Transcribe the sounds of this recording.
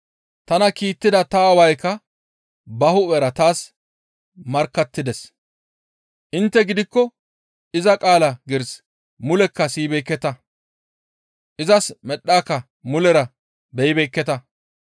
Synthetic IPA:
t̪ɐnɐkiːt̪ːɪd̪ɐt̪ɐːwɐjkːɐ | bɐhʊɛɾɐt̪aːs | mɐɾkːɐt̪ːɪd̪ɛs | ʔɪnt̪ːɛɡɪd̪ɪkːɔ | ɪzɐkʼaːlɐɡɪɾs | mʊlɛkːɐsiːbɛjkːɛt̪ɐ | ʔɪzɐsmɛɗːaːkːɐ | mʊlɛɾɐ | bɛjbɛjkːɛt̪ɐ

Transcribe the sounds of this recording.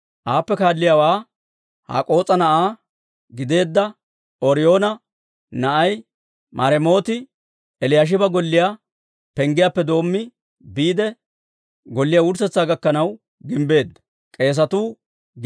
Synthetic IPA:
ʔaːpːɛkaːlːɪjaːwaː | ha̰ːkʼo̞ːt͡sʼɐnɐʔaː | ɡɪd̪e̞ːd̪ːɐ | oɾɪjo̞ːnɐ | nɐʔɐj | mʔɐɾɛmo̞ːt̪ɪ | ɛlɪjaːʃ̬ɪbɐɡɔlːɪja | pɛŋɡɪjaːpːɛd̪o̞ːmːɪ | biːd̪ɛ | ɡɔlːɪjaːwʊɾsɛt͡sːaːɡɐkːɐnɐw | ɡɪmbe̞ːd̪ːɐ | kʼe̞ːs̬ɐt̪uː

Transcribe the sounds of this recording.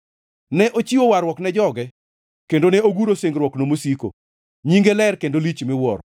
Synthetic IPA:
nɛʔot͡ʃiwowaɾwɔknɛd͡ʒɔɡɛ | kendonɛoɡuɾoseŋɡɾwɔknomosiko̰ | ɲiŋɡelɛrkendolit͡ʃmɪwɔɾ

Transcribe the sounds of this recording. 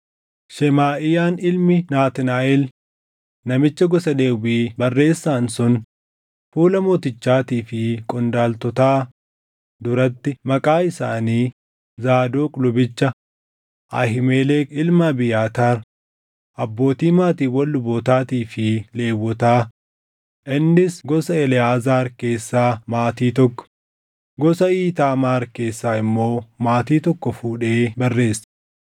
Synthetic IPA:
ʃɛmaːʔɪjaːnɪlmɪnaːt̪ɪnaːʔɪl | nɐmɪt͡ʃːɐɡɔsɐdeːwiːbɐrːe̞ːsːaːnsʊn | fuːlɐmoːt̪ɪt͡ʃːaːt̪iːfɪkʼɔnd̪aːlt̪ɔt̪aː | d̪ʊɾɐt̪ːɪmɐkʼaːɪsaːniː | zaːd̪oːkʼʊlʊbɪt͡ʃːɐ | ʔɐ̰hɪmeːleːkɪlmɐbɪjaːt̪aːɾ | ʔɐbːo̞ːt̪iːmaːt̪iːwɐlːʊboːt̪aːt̪iːfɪle̞ːwːɔt̪aː | ʔɪnːɪsɡɔsɐɛlɪaːzaːɾke̞ːsːaːmaːt̪iːt̪ɔkːɔ̥ | ɡɔsɐiːt̪aːmaːɾke̞ːsːaːɪmːo̞ːmaːt̪iːt̪ɔkːɔfuːᶑe̞ːbɐrːe̞ːsɐ̥

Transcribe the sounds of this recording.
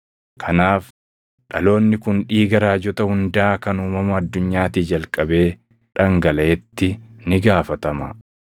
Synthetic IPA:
kʰɐnaːf | ᶑɐlo̞ːnːɪkʊnᶑiːɡɐɾaːd͡ʒɔt̪ɐhʊnd̪aːkɐnuːmɐmɐːd̪ːʊɲːaːt̪iːd͡ʒɐlkʼɐbe̞ː | ᶑɐŋɡɐlɐːt̪ːɪnɪɡaːfɐt̪ɐmɐ̰

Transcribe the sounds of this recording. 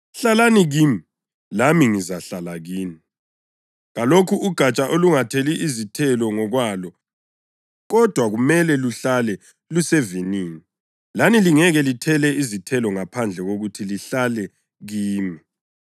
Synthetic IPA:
ɬalaniɣimi | lamiŋizaɬalaɣiːni | ɣalokʰuʔuɡ̥ʱat͡ʃʼaʔoluŋatʰeliʔizitʰɛlɔŋɔɣwalɔ | ɣɔd̥ʱwaɣumɛlɛluɬalɛ | lusɛviniːni | laniliŋɛɣɛlitʰɛlɛizitʰɛlɔŋapʰand͡ɮʱɛɣoɣutʰiliɬalɛ | ɣiːmi

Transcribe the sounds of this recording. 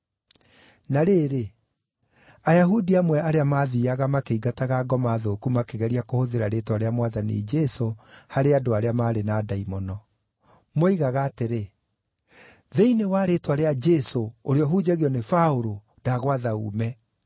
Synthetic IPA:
naɾeːɾe | ajaɦudiamwɛaɾeamaðiaɣamakeiɡataɣaːɡɔmaðoːkumakeɣɛɾiakohoðeɾaɾetwaɾeamwaðanḭd͡ʒɛsohaɾeadoaɾeamaːɾenaːdaimɔnɔ | moiɣaɣaːteɾe | ðeinewaɾetwaɾead͡ʒɛsooɾeɔɦud͡ʒaɣjɔnefaoɾo | daɣwaðaṵːmɛ

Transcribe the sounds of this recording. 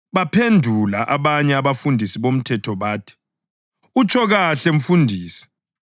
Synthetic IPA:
βapʰendʱulaʔaβaɲɛaβafundʱisiβom̩tʰɛtʰɔβaːtʰi̥ | ut͡ʃʰɔɣaɬeɱ̩fundʱiːsi̥

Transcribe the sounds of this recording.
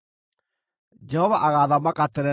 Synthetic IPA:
d͡ʒɛhɔvaʔaɣaðamakatɛɾɛ

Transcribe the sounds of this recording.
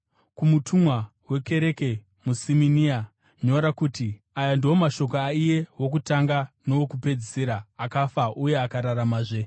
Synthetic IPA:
kumutʰumwawe̞ke̞ɾe̞ke̞ | musiminia | ɲo̞ɾakuːti | ajandiɦomaʃo̞koaije̞wo̞k̬utaŋɡano̞wokupe̞d͡ziseɾaːkafaʔuje̞akaɾaɾamaʐe̞

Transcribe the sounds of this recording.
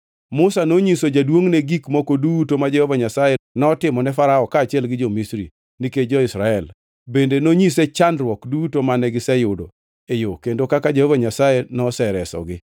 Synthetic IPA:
mʊsanoɲisod͡ʒadwoŋneɡikmɔkodutomad͡ʒehovaɲasajenɔtɪmɔnɛfaɾaɔkaːt͡ʃɪɛlɡɪd͡ʒomisɾḭ | niked͡ʒɔɪsɾaɛl | bendenoɲisɛt͡ʃandɾwɔkdutomanɛɡɪsɛjʊdo̰ | ejokendokakad͡ʒehovaɲasajenɔsɛɾɛsɔ̰ɡɪ

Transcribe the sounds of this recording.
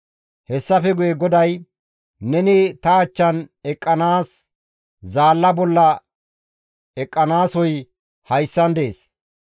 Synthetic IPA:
hɛsːɐfɛɡʊjɛɡɔd̪ɐj | nɛnɪt̪ɐːt͡ʃːɐnɛkʼːɐnaːs | zaːlːɐbɔlːɐ | ɛkʼːɐnaːsɔj | hɐjsːɐnd̪e̞ːs

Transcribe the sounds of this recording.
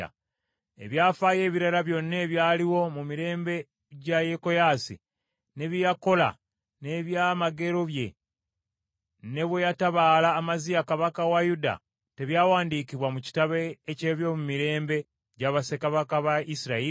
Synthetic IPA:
a̰ | ḛβjaːfaːje̞ːβiɾalaβjo̞nːe̞ːβjaːliwo̞mumiɾe̞ːmbe̞ | ɟajeko̞jasḭ | ne̞βijako̞la̰ | ne̞βjaːmaɡe̞ɾo̞βje̞ | ne̞βwejataβalaːmazijakaβakawajuda̰ | te̞βjaːwaːndikiβwamuci̥taβeːce̞ːβjo̞mumiɾe̞ːmbe̞ | ɟaβase̞kaβakaβaisiɾai

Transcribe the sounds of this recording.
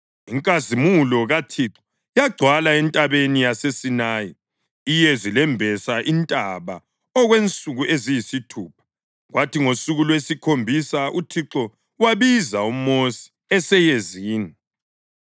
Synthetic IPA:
iŋkʼazimulɔɣatʰiǁɔ̥ | jaɡ͡ǀʱwalaɛntʼaβenijasesinaːji | ijɛzilɛmbʱɛsaʔintʼaβa̰ | ɔɣwent͡sʼuɣuʔezijisitʰuːp̚ʰḁ | ɣwatʰiŋosuɣulwesikʰombʱisaʔutʰiǁɔ | waβizaumosi̥ | ɛsɛjeziːni

